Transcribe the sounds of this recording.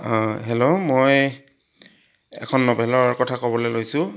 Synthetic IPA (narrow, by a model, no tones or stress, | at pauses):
ɦelomoj | ɛ̰kʰɔnːɔpɛlɔkɔtʰakɔbɔlejlojsʊ